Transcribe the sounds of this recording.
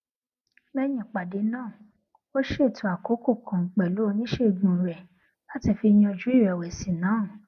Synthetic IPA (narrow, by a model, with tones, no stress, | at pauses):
mɛ˦j̃ĩ˨k͡pa˨de˨˦nãː˦˨ | o˦ʃe˦˨tʰu˨˦a˨ko˨˦ko˦˨kʰã˨k͡pɛ˨lu˨˦o˧nĩ˦ʃe˦˨ɡ͡bũ˨ɾɛ˨ | la˨˦ti˦˨fi˧j̃ã˧d͡ʒu˨˦i˦˨ɾɛ˨wɛ˨si˨nãː˨˦˨